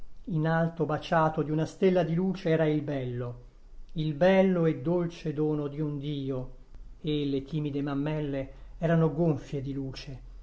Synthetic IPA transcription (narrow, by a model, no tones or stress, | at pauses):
inalt̪obat͡ʃaːt̪od̪iunast̪elːad̪iluːt͡ʃeɛːɾailbɛlːo | ilbɛlːoed̪ːolt͡ʃed̪oːnod̪iund̪iːo | elet̪ʰiːmid̪emamːɛlːeɛːɾanoɡoɱfjed̪iluːt͡ʃe